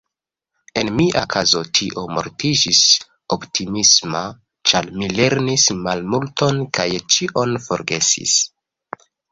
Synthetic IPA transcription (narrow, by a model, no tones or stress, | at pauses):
e̞nmiʔakʰazo̞tʰiʔomo̞̰ɾtid͡ʒis | optʰimisma | t͡ʃaɾmile̞ɾnismalmulto̞nkajt͡ʃiʔo̞nfo̞̰ɾɡe̞sḭs